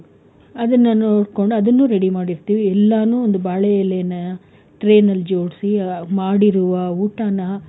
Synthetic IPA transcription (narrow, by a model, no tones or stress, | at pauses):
ɐd̪ɐnːɐnoːɽko̞ɳɖuɐd̪ɐnːuːɾeɽimaːɽiɾt̪iːʋiɛlːaːnuːond̪ubaːɭɛjɐleːnɐ | ʈɾe̞ːnɐlːd͡ʒo̞ːɽsimaːɽiɾuʋɐuːʈanɐ